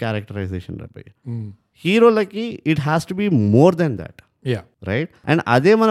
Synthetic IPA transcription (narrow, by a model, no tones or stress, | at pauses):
kɛɾək̚ʈəɾaɪzḛːʃə̰̃nɾɛ̰ba̰j | hiːɾoːlakiɪʈɦɛsʈubiːmoːɾd̪ɛ̃nd̪æ̰ʈ | j | ɾa̰ɪʈʔɛ̰̃ɳɖɐ̰d̪emən